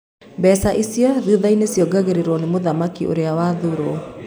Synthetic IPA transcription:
bɛsaʔisiaðuðainesiɔɡaɣeɾeɾɔnemoðamakiʔo̰ɾeawaðuɾo

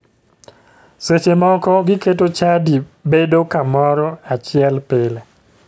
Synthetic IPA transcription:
set͡ʃemɔkɔɡɪketot͡ʃadibedokamɔɾɔat͡ʃɪɛlpɪlɛ

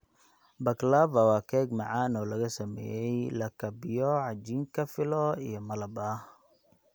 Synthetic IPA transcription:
bɐklaːvɐwɑːkʰɛːɡmɐʕaːnɔːlɐɣɐsɐmɛ̰ːjɛjlɐkʰɐbɪjɔʕɑd͡ʒiːŋkʰɐfɪlɔijɔmɐlɐbaː

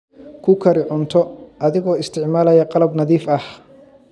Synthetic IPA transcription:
kʰʊkʰɐɾɪʕʊnt̪ʰɔʔɐðɪɣɔːɪst̪ʰɪʕmaːlɐjɐqɑlɐbnɐðiːfɐh

